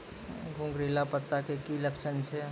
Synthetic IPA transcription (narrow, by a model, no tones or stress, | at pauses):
ɡʱũŋɡɾilapət̪ːakekiləkt͡ʃʰənt͡ʃʰɛ